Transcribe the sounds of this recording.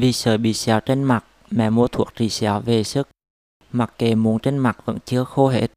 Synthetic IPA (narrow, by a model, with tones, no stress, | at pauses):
vi˨˩səː˨˩jɓḭ˧˨sɛ˨˦wt͡ɕe˧nma˨˩t̚ | mɛ̰˧˨mu˧ət̪ʰu˧˩ək̚t͡ɕi˧˨˩sɛ˨˦wve˨˩sɨ˦˥k̚ | ma˨˩k̚ke˨˩mu˨˦ənt͡ɕe˧nma˨˩t̚və̰˧˥nt͡ɕɨ˧əxo˧ɦḛ˧˩